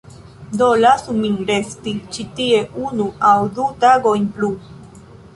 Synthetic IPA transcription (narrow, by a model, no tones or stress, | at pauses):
d̪olasumiŋɾest̪it͡ʃit̪ieʔunuawd̪ut̪aɡojnplu